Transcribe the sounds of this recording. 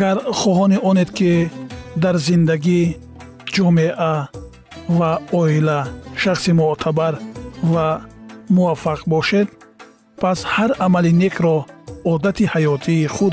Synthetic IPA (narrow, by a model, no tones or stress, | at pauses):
aɡaɾχɔɦɔniɔned̪kʰid̪aɾzind̪aɡi | d͡ʒɔmeʔa | vaɔilaʃaχsimuʔt̪ʰabaɾvamuafːaqbɔʃed̪ | pʰashaɾamalinekʰɾɔːd̪at̪ʰihajɔt̪ʰiːχud̪